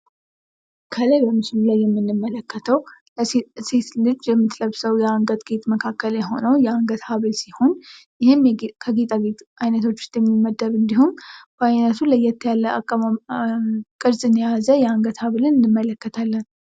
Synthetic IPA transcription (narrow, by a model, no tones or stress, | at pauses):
kʰələjbəmɨsɨlulajːɛmːɨnːɨmːələkːət̪ʰəw | set̪lɨd͡ʒjɛmːɨt̪ləβsəwjɛaŋɡət̪ʼɡ̥et̪ʼməkʰakːəljɛɦo̞nəwjɛaŋɡət̪haβɨlsiho̞njɪhɪmkʰəɡet̪ʼaβet̪ʔajnət̪ʰo̞t͡ʃːʊ̥st̪ʼjɛmːimːəd̪ːəɾɨnd̪ihumb̥əajnət̪ʰulajːɛt̪ʰːəjalːəa̰kʼːəma | kʼɨɾzɨnəjazəjɛaŋɡət̪haβɨlɨnɨnːɨmːələkːət̪ʰalːən